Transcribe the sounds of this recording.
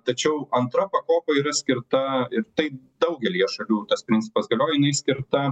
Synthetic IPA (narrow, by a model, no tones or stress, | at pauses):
t̪ɐt͡ʃʲɛʊɐnt̪ɾɐpɐkoːpɐiːɾɐsʲkʲɪɾt̪ɐɪɾt̪ɐɪ | d̪ɐʊɡʲɛlʲijɛʃɐlʲuːt̪ɐspʲɾʲɪnʲt͡sʲɪ̥pɐsɡɐlʲoːjɪnɐɪsʲkʲɪɾt̪ɐ